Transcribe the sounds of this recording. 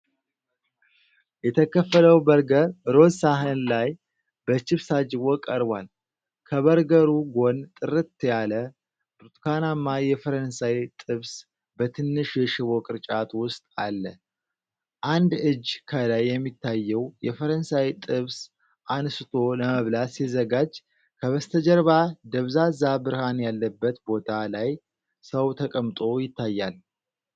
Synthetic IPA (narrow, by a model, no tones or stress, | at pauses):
jɛt̪ʰəkʰəfːələwbəɾɡəɾɾo̞saɦɨnlaj | bət͡ʃɪβsad͡ʒɪβɔkʼəɾbal | kʰəβəɾɡəɾuɡo̞nt̪ʼɨɾɨt̪ːjalə | bɾt̪kanamːajɛfəɾənsajt̪ʼɨβs | bət̪ʰɨnːɨʃjɛʃɪβokʼɨɾt͡ʃʼat̪wʊst̪ʼalːə | ʔand̪ɨd͡ʒːkʰəlajːɛmːit̪ʰːajːɛwjɛfəɾənsajt̪ʼɨβs | ʔansɨt̪ʰo̞ləməβlasizəɡad͡ʒ | kʰəβəst̪ʰəd͡ʒɛɾβad̪əβzazabɨɾhanjalːəbːət̪bo̞t̪ʰalaj | səwt̪ʰəkʼəmt̪ʼo̞jɪt̪ʰːajːal